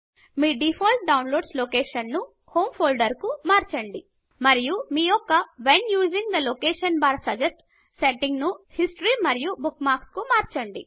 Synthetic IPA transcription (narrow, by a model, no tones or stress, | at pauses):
miːɖipʰoːlʈ̚ɖɐwnloːɖsloːkeːʃɐnːu | hoːmpʰoːlɖɐɾkumaːɾt͡ʃɐɳɖi | mɐɾijumiːɔkːɐʋenjuːd͡ʒĩŋɡd̪ɐlokeːʃɐnbaːɾsɐd͡ʒesʈ | seʈiŋɡnuhisʈɐɾimɐɾijubukmaːɾkskumaːɾt͡ʃɐɳɖi